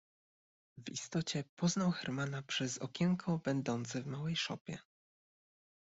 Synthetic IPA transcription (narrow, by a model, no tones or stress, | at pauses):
vḭst̪ɔt͡ɕɛpɔznawxɛɾmanapʂɛzɔ̰kʲɛŋkʰɔbɛnd̪ɔnt̪sɘvmawɛjʂɔpʲjɛ̰